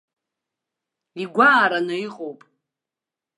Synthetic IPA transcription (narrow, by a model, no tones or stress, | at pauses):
iɡʷaːɾanɨiqʼowpʼ